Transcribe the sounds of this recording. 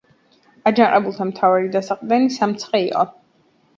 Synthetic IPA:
ad͡ʒanqʼɛbulˠt̪ʰamt̪ʰavaɾid̪asaqʼd̪ɛnisamt̪sʰχʼɛiqʼɔ̰

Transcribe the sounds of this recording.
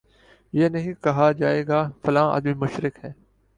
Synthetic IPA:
jeːnɐɦĩkɐɦad͡ʒaːeːɡaːfɐlãːɐ̰d̪mimʊʃɾɪkɦɛː

